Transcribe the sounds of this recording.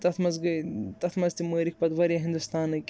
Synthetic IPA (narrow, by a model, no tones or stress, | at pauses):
t̪ɐt̪ʰmɐzɡɐt̪ɐt̪ʰmɐzt̪iməːɾik̚ʰpɐd̪ʋɐɾijɐɦĩnd̪ust̪aːnɨkʲ